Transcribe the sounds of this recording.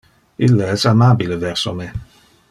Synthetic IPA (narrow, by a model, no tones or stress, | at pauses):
ilːaɛsamaːbilevɛrsome